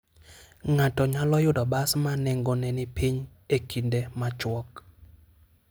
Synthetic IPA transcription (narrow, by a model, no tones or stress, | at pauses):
ŋatɔɲalɔjʊdɔbasmanɛŋɡonɛnɪpiɲ | ekindemat͡ʃwɔk